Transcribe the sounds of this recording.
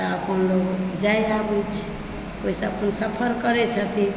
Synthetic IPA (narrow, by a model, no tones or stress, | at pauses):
t̪əəpənloɡd͡ʒajabit͡ʃʰ | koisə̃əpənsəpʰəɾkəɾɛt͡ʃʰət̪ʰi